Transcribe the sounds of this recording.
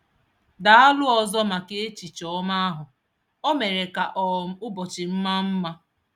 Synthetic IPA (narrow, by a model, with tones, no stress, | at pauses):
da˨a˦lʊ˦ɔ˨zɔ˦ma˨ke˦e˦t͡ʃi˨t͡ʃɔ˨˦ɔ˦ma˦a˦ɦʊ˨ | o˦me˨ɾe˨ka˨ʔɔ˨˦ʊ˦bɔ˨t͡ʃɪ˨m̩˦ma˦m̩˦ma˦